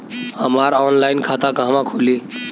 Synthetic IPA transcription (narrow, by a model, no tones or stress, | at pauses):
həmaɾɔnlajnkʰat̪akɦəmãkʰoli